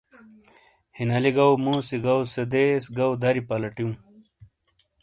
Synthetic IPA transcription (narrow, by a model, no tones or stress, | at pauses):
hinɐliɡɐwmũsiɡɐwsed̪esɡɐwd̪ɐɾipɐlɐʈjũ